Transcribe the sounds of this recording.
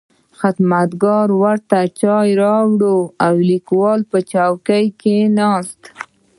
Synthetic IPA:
xat̪mat̪ɡɑɾwaɾt̪at͡ʃɑjɾɑwɽoawlikwɑlpət͡ʃawkəjkenɑst̪

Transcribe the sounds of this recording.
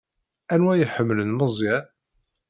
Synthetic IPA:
ænwæjəħəmːlənməzˤjæ

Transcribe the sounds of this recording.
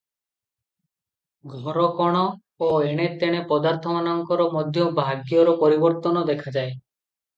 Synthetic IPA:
ɡʱɔɾɔkɔɽ̃ɔ | oeɽ̃et̪eɽ̃epɔd̪aɾt̪ʰɔmanaŋkɔɾɔmɔd̪ʱjɔbʱaɡjɔɾɔpɔɾibɔɾt̪ɔnɔd̪ekʰad͡ʒae

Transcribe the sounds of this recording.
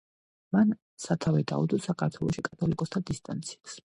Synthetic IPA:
man | sat̪ʰavɛd̪a̰ṵd̪ɔsakʰaɾt̪ʰwɛlˠɔʃikʼat̪ʰɔlikʼɔst̪ʰad̪ist̪ʼa̰nt̪sʰi̥as

